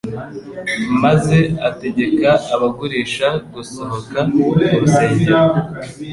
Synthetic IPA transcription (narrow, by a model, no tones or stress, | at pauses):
maze̞ate̞ɟe̞kaːβaɡuɾiːʃaɡuso̞ɦo̞kauseːɲe